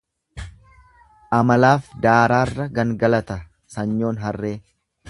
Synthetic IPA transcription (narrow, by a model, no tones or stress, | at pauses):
ʔɐmɐlaːfd̪aːɾaːrːɐɡɐŋɡɐlɐt̪ɐ | sɐɲːo̞ːnɦɐrːe̞ː